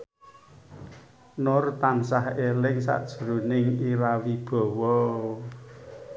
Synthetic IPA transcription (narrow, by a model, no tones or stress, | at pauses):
nʊrt̪ansahelɪŋsa̰ʔd̥ʒ̥əɾunɪŋiɾawib̥ɔ̤wɔ